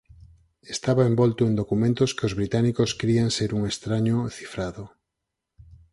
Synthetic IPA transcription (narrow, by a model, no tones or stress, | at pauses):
est̪aβaembɔlt̪oend̪okumẽnt̪oskeozβɾit̪anikoskɾianseɾuŋest̪ɾaɲoθi̥fɾaðo